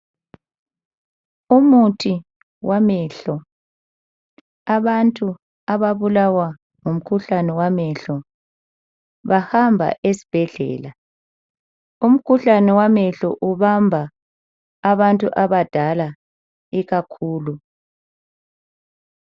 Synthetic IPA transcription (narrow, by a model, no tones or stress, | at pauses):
umutʰi | wamɛɬɔ | aβantʼu | aβaβulawa | ŋum̩kʰuɬanɛwamɛɬɔ | βahambʱa̰ʔesi̥b̥ʱɛɮɛ̰ːla | um̩kʰuɬanɛwamɛɬɔ̰ʔuβambʱaː | βantʼuʔaβad̥ʱala | iɣakʰuːlu